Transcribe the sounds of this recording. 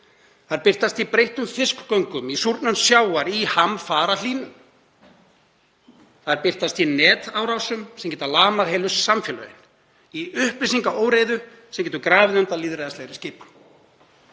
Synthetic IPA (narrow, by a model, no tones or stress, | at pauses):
θaðɾpɪr̥t̪ast̪ipɾejht̪ʏmfɪskkœɥŋkʏmisuɾt̪nʏnsjaːwaɾihamfaːɾaliːnʏ | θaðɾpɪr̥t̪ast̪inɛːt̪aːwɾawsʏmsɛmcɛt̪alaːmaɾɦejlʏsamfjɛːlœ̰ðɪ̰n | iʏhplis̬iŋkaoːwɾeːjðʏ | sɛmcʲɛːt̪ʏɾkɾaːvɪðʏnt̪aliːðɾejðasleːɣɾɪscɪːp